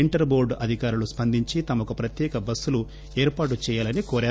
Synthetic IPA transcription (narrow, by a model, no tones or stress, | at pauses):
iɳʈɐɾboːɾɖɐd̪ʱikaːɾuluspɐnd̪ʱiɲt͡ʃit̪ɐmɐkupɾɐt̪jɛːkɐbɐsːulu | eːɾpaːʈ̬ut͡ʃɛːjaːlɐnikoːɾaː